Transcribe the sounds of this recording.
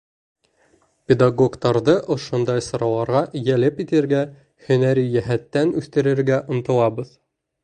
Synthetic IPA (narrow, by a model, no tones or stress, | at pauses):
pʲed̪aɡo̞ɡt̪ɑɾðɤʔŏʃŏnd̪ɑjsŏɾɑlˠɑɾʁɑʔjælɘpit̪ɘ̆ɾɡæ | hɵ̆næɾijæɦæt̪ːænʉθt̪ɘ̆ɾɘ̆ɾɡæʔŏnt̪ɤ̆lˠɑbɤð